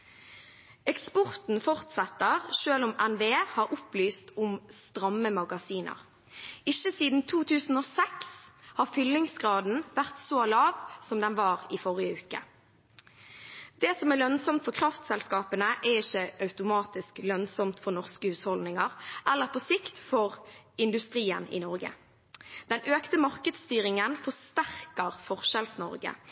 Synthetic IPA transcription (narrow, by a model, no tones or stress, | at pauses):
ɛkspɔʁt̪n̩fɔʁt̪sɛt̪ːəʁʃøːlʊmɛnʋeːhɑːʁʊplyːst̪ʊmst̪ʁɑmːəmɑɡɑsiːnʔə̰ʁ | ɪçəsiːd̪n̩t̪ʰuːt̪ʰʉːsn̩oːsɛkshɑːʁfʏlːɪŋsɡʁɑːd̪n̩ʋæʁt̪soːlɑːʋsɔmd̪ɛnʋɑːʁiːfɔʁɪəʉːkə̰ | d̪̥ɛːsɔmælœnsɔmt̪fɔkʰʁɑft̪sɛlskɑːpənəʔɛʁɪçəɑʉt̪ʊmɑːt̪ɪsklœnsɔmt̪fɔʁnɔʁskəhʉːshɔld̪nɪŋɑʁʔɛlːəʁpʰɔsɪkt̪fɔʁɪnd̪ʉst̪ʁiːənɪ̰nɔʁɡə̰ | d̪̥ɛnøːkt̪əmɑʁkəd̪st̪yːʁɪŋənfɔʁst̪æʁkəʁfɔʁʃɛlsnɔ̰ʁɡə̰